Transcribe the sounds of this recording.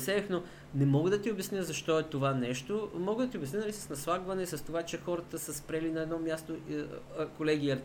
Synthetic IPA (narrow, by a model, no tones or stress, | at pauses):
sɛɛfno | nɛmɔɡəd̪ɐt̪iobɛsnjəzɐʃt̪ɔɛt̪ovanɛʃt̪omɔɡəd̪ɐt̪iobɛsnʲənɐlisɐ̥snɐslˠaɡvɐnɛsɐst̪ovat͡ʃɛxɔɾɐt̪əsəspɾɛlinɐɛd̪nɔmʲjast̪o | kolɛɡ̟ʲiːɐɾ